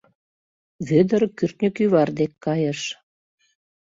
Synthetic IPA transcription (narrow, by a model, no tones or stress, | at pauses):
βød̪ərkyrt̪nʲəkyβɑrd̪ekːɑjə̆ʃ